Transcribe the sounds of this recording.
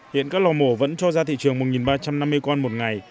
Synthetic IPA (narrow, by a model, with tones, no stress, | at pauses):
hḭ˧˨ənkaː˦˥k̚lɔ˧˩mo˧˩və̰˧˥nt͡ɕɔ˧zaː˧t̪ʰḭ˧˨t͡ɕɨ˨˩əŋmo˨˩t̚ŋi˨˩nɓaː˧t͡ɕa˧mna˧mːɨ˧əjkɔ˧nmo˨˩t̚ŋa˨˩j